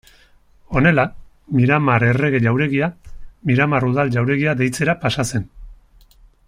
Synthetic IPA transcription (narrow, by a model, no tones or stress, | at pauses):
o̞ne̞la | miɾamaɾe̞re̞ɣ̞e̞ʎawɾe̞ɣiamiɾamaruð̞alʎawɾe̞ɣ̞iaðe̞jt͡se̞ɾapasase̞n